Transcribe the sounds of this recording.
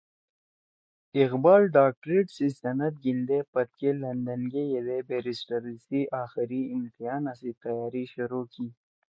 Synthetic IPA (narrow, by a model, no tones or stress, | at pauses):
ɪqbɑːlɖaːk̚ʈɾeʈsisɐnɐt̪̚ɡind̪epɐt̪̚kelɐnd̪ɐnɡejed̪ebeɾisʈɐɾəsiʔaːxɪɾiɪmt̪ijɑːnasit̪ɐjɑːɾiʃʊɾoːki